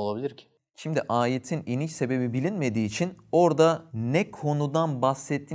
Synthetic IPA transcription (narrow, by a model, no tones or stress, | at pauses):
olˠabilʲiɾcʰɪ̥ | ʃimd̪iʔaːjet̪ʰininit͡ʃse̞be̞bibilʲinme̞d̪iːt͡ʃʰino̞ɾd̪anɛkʰo̞nud̪anbasɛt̪ʰːiː